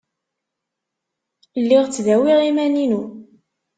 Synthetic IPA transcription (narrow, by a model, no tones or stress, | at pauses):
lːɪʁt͡sːðæwiʁimæninu